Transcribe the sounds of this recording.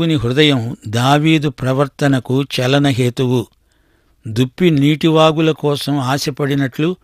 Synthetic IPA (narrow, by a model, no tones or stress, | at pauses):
uniɦɾud̪ɐjɐmd̪aːʋiːd̪upɾɐʋɐɾt̪ɐnɐkut͡ʃɛlɐnɐɦe̞ːt̪uwu | d̪upːiniːʈiʋaːɡulɐkɔːsɐmaːsɐpɐɽinɐʈlu